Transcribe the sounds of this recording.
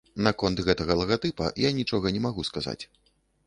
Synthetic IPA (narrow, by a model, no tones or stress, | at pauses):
nɐkɔnt̪ɣɛt̪ɐɣɐlˠɐɣat̪ɨpɐ̰janʲit͡ʂɔɣɐnʲɛmaɣuskaza̰t͡sʲ